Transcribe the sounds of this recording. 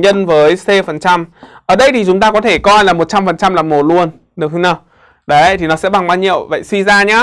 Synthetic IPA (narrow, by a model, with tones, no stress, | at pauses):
ɲə˧nvəː˨˦jse˧fə˨˩nt͡ɕa˧mʔəː˧˩ɗə˧jt̪ʰi˨˩t͡ɕʊ˨˦ŋ͡mt̪aː˧kɔ˨˦t̪ʰe˧˩kɔ˧jlaː˨˩mo˨˩t̚t͡ɕa˧mfə˨˩nt͡ɕa˧mlaː˨˩mo˨˩t̚lu˧ən | ɗɨ˨˩əkt̪ʰɨ˧naː˨˩w | ɗə˨˦jt̪ʰi˨˩nɔ˨˦sɛ̰˧˥ɓa˨˩ŋkwaː˧nɲḭ˧˨əwvə̰˧˨jswi˧zaː˧ɲaː˨˦